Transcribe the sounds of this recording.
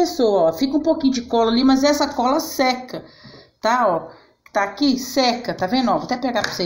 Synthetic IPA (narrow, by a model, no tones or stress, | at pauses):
esoɐɔfikɐũpokĩɲʊd͡ʒɪkɔlɐlimɐzɛsɐkɔlɐsɛkɐt̪aɔ | t̪akisɛkɐt̪avẽd̪ɔvoat̪ɛpeɡapʊ̥se